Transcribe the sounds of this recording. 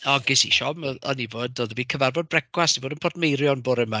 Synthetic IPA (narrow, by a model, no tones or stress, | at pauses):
ɔɡɪsḭʃɔməɔ̰nivoːdoðəviːð̥kʰəvarvɔd̚brɛkwasivoːdənpʰɔdmejɾjɔnboːɾɪma